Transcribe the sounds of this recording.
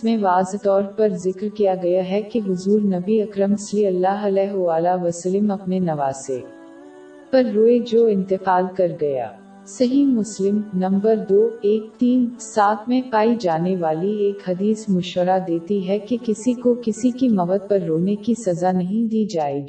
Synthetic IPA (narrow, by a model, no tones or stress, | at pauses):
mẽʋaːzt̪ɔːɾpɐɾzɪkɾkijaɡɐjaɦɛkeɦʊzuːɾnɐbiɐkɾəmɪsliɐlːaːɦɐlɛːɦoʋaːlaʋɐslɪmɐpnenɐʋaːzḛː | pɐɾːoːed͡ʒoːɪ̃nt̪ɪfaːlkɐɾɡɐja̰ː | sɐɦimʊslɪmnɐ̃mbəɾd̪oːeːk̚t̪iːnsaːt̪mẽpaːid͡ʒaːneʋaːlieːkhɐd̪iːsmʊʃʋəɾad̪eːt̪iɦɛkekɪsikokɪsikimɐʋəd̪̚pɐɾːoːnekisɐzanɐɦĩd̪iːd͡ʒaːeːɡiː